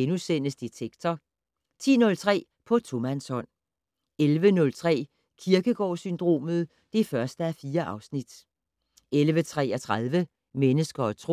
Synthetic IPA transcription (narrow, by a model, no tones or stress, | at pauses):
enusen̰əsd̥et͡sʰeɡ̥t͡sʰɒ | t͡sʰḭːnɔ̽lt͡sʰʁɛ̰ː | pʰɒ̽t͡sʰo̝mænsɒ̽n̰ | elʋənɔ̽lt͡sʰʁɛ̰ː | kʰiɐɡ̥əɡ̥ɒ̰ːsynd̥ʁo̝̰ːmð̩ˠ | d̥e̝fɶɐsd̥əæfiːɐʔɑ̈ʊsnid̥ | elʋət͡sʰʁɛ̰ːæt͡sʰʁaðˠʋə | menəsɡ̥ɐːt͡sʰʁo